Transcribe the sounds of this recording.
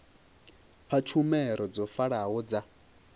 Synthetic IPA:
ɸʰat͡ʃʰumɛɾɔd͡zɔfaɺaɦɔd͡za

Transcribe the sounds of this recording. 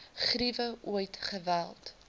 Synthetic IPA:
χrivəʔuəjtχəvælˠt

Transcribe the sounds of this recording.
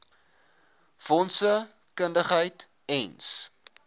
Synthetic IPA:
fɔnsə | kəndəχɦəjt | ɛns

